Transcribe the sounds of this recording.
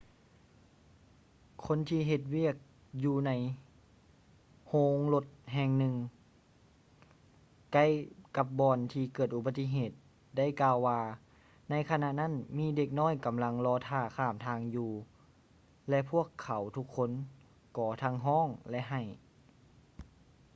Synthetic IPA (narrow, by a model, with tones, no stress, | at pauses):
kʰo˧˥˨nt̪ʰiː˧ɦe˧˩t̪̚wi˥˩ək̚ | juː˧na˧˥j | hoː˧ŋlo˧t̪̚ɦɛː˧ŋnɯ˧ŋ | ka˧˥˨jka˧˦p̚bɔː˧nt̪ʰiː˧kɤː˨˩t̪̚ʔu˧ba˧t̪ːi˧˨ɦeː˧˩t̪̚ | da˥˩˨jkaː˧wːaː˧ | na˧˥jkʰa˧na˧ʔna˥˨nmiː˧˥˨de˧˩k̚nɔː˥˩˨jka˨˦mla˧ŋlɔː˧t̪ʰaː˧˩kʰaː˧˩mt̪ʰaː˧ŋjuː˧ | lɛ˧ʔpʰu˥˩əkʰːa˨˦wt̪ʰu˧˥kʰːo˧˥˨n | kɔː˨˩˦t̪ʰa˧˥ŋɦɔː˥˨ŋlɛ˧ʔɦa˧˩j